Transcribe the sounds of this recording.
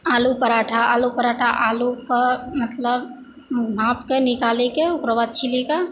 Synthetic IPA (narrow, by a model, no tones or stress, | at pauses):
alupəɾaʈʰaalupəɾaʈʰaʔalukemət̪ləb | bʱapkenikalekeukɾəʋad̪̚t͡ʃʰilika